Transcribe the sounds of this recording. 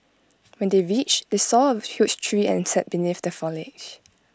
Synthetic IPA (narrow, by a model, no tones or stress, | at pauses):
wɛ̃ndeɹit͡ʃdesɔəhjut͡ʃtʰɹiɛ̰̃nsɛt̚b̥iniθdəfɔlɪd͡ʒ